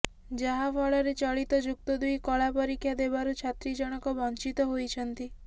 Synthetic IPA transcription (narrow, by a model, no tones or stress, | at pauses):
d͡ʒaɦapʰɔɭɔɾet͡ʃɔɭit̪ɔd͡ʒuk̚t̪ɔd̪ujkɔɭapɔɾikʰːjad̪ebaɾut͡ʃʰat̪ɾid͡ʒɔɽ̃ɔkɔbɔnt͡ʃit̪ɔɦojt͡ʃʰɔnt̪i